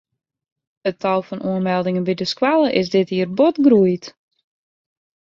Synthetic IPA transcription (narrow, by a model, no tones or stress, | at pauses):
ətʰɔlˠfɔnʔuənmɛlˠdɪŋənbidəskwalˠəʔɪs̬dɪthiərbotɡrujt